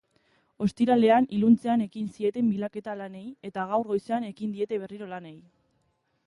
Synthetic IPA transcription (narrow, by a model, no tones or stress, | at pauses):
o̞st̪iɾale̞anilunt͡se̞ane̞kinsie̞t̪e̞mbilake̞t̪alane̞je̞t̪aɣ̞awrɣo̞jse̞ane̞kind̪ie̞t̪e̞β̞e̞riɾo̞lane̞j